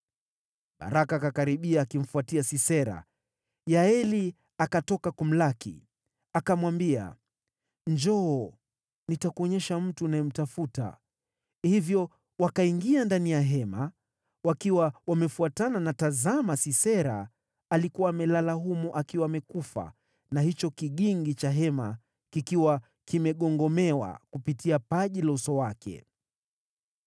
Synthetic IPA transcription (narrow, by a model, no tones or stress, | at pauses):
ɓa̰ɾʔakaːkakaɾiɓiaːkim̩fuatiasisɛɾa̰ | jaɛli | akatɔkakum̩lakḭ | akamwambia̰ | ɲd͡ʒɔː | nitakuɔɲɛʃam̩tunajɛm̩tafuta̰ | hivjɔ | wakaiŋɡiandanijaɦɛma | wakiwawamɛfuatananatazamasisɛɾa̰ː | likuwaːmɛlalaɦumuʔakiwaːmɛkufa̰ | nahit͡ʃɔkiɠiŋɡit͡ʃaɦɛma | kikiwa | kimɛɠɔŋɡɔmɛwa̰kupitiapaʄilɔsɔwakʰɛ̰